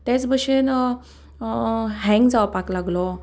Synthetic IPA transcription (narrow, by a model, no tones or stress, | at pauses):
t̪et͡sbəɕen | ɦɛ̃ŋɡd͡zaʋpaklaɡlɔ